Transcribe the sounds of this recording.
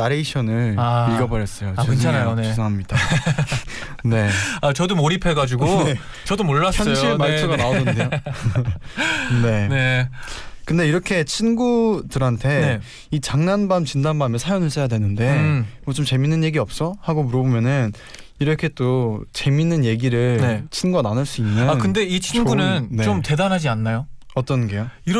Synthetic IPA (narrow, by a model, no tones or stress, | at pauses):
naɾe̞iɕʰʌnɯɭaiɭɡʌbʌɾjʌs͈ʌjoeɯt͡ɕʰanajonsʌɦamɲid̥a | ne̞at͡ɕʌdomoɾipʰe̞ɡad͡ʑuɡoe | t͡ɕʌdomoɭːasçjʌnɕimaɭs͈ʰuɡanaodʌndejo | ne̞ne | kɯnde̞iɾʌkʰe̞t͡ɕʰinɡudɯɾɦantʰe̞ | it͡ɕaŋnanbamt͡ɕindanbamesʰajonɯɭs͈ʰejadwe̞nɯnde̞mʌt͡ɕomt͡ɕe̞minːɯnje̞ɡiʌp̚s͈ʌhaɡomuɾʌbomjʌnɯn | iɾʌkʰe̞t͈ot͡ɕe̞minːɯnje̞ɡiɾɯɭet͡ɕʰinɡuɡananɯɭs͈uinːɯakɯnde̞it͡ɕʰinɡunɯnne̞omte̞danɦad͡ʑianːajo | ʌt͈ʌnɡe̞joiɾ